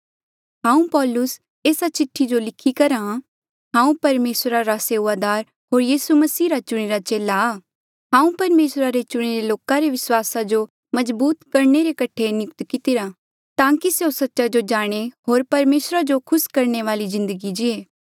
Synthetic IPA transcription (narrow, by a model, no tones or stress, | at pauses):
ɦãːũpɔːlʊs | eːsat͡ʃɪʈʰːid͡ʒolɪkʰːikɐɾã | ɦãːũpɐɾmeːsɾaɾaseːʊʋaːd̪aːɾ | ɦoːɾjiːsumɐsiːɾat͡ʃʊɽ̃eɾat͡ʃeːlaː | ɦãːũpɐɾmeːsɾaɾet͡ʃʊɽ̃eɾeloːkaɾeʋɪswaːsad͡ʒo | mɐzbuːt̪kɐɾɳeɾekɐʈʰenɪkt̪kɪt̪ɪɾa | t̪ãːkiseosɐtːʃad͡ʒod͡ʒaːɽ̃eɦoːɾpɐɾmeːsɾad͡ʒokʰʊskɐɾɳeʋaːlizɪ̃nd̪əɡid͡ʒɪeː